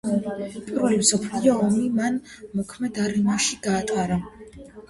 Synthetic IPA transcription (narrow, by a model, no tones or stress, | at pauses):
pʼiɾvɛlimsɔpʰliɔɔmiman | mɔkʰmɛd̪aɾimaʃiɡaːt̪ʼaɾa